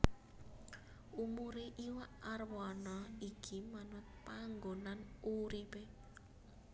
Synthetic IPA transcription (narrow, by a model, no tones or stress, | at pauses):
ʔumuɾeʔiwaʔarwɔnɔikʰimanʊt̪̚paŋɡonanuɾipe